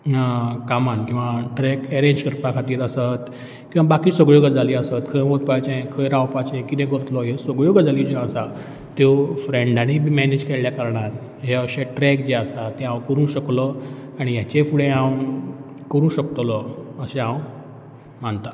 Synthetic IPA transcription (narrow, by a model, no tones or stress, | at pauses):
kamankĩw̃ʋaʈɾɛkɛɾẽd͡ʑkəɾpakʰat̪iːɾəsət̪ | kĩw̃abakiːsəɡɭjoɡəd͡zʱaliːəsət̪kʰəmot̪̚pat͡ɕẽkʰəjɾãwpat͡ɕẽkit̪ɛ̃kəɾət̪lɔɦesəɡɭjoɡd͡zaliːd͡ʑeəsa | t̪ofɾeɳɖaɽ̃imɛned͡ʑkeɭljakəɾɳat̪ | ɦeəɕeʈɾɛkd͡ʑeəsat̪ẽãwkəɾũːɕəklɔaɽ̃ijat͡ɕefuɽẽãw | kəɾũːɕəkt̪lɔəsẽɦãw | mant̪a